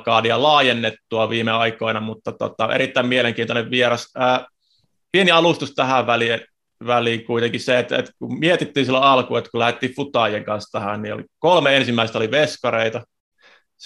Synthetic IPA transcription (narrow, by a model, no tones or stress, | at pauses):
kɑːniɑlɑːjenːet̪ːuɑʋiːmeɑikoinɑmut̪ːɑt̪o̰t̪ɑʔḛɾit̪ːæimieleŋkiːt̪oneʋʋieɾɑsəː | pieniɑlust̪ust̪æhæʋʋæli | ʋæliːŋkuit̪eŋkiseet̪ḛt̪kummiet̪it̪ːiːnsilːoɑlkuet̪kulæhet̪ːiːffut̪ɑːˑjeŋkɑnst̪æhænnio̰lḭkolmeensimːæˑist̪oliʋeskɑreit̪ɑ | s